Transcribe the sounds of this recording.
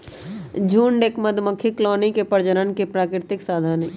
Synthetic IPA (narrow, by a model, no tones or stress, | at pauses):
d͡ʒʱuːɳɖeːkməd̪ʱməkʰːiklɔːnikepəɾd͡ʒəɾənkepɾaːkɾɪɾɪt̪ɪksaːd̪ʱaːni